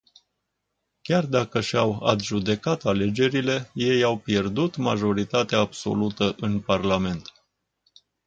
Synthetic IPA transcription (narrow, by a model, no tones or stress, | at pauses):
kʲard̪akəʃawa̰t̪ʒud̪e̞kat̪ale̞d͡ʒe̞ɾile̞je̞jawpje̞rd̪ut̪maʒo̞ɾit̪at̪eaːbso̞̰lut̪əʔɨnparlame̞nt̪